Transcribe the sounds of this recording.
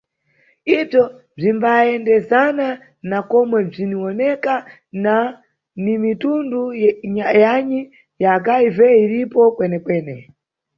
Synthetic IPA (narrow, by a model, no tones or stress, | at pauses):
ib͡ʐɔ | b͡ʐimbaɛndɛzana | nakɔmwɛb͡ʐiniɔnɛka | na | nimitunduɲajaɲi | jakaivɛiɾipɔkwɛnɛkwɛːnɛ